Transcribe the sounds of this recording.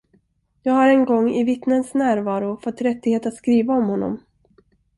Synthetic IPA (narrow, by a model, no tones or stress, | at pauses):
jɑːɡhaɾɛnɡɔŋːɪvɪt̪nənsnæːɾvɑːɾʊfɔt̪ːɾɛt̪ːɪɡheːt̪at̪skɾiːvaɔmhɔnːɔ̰m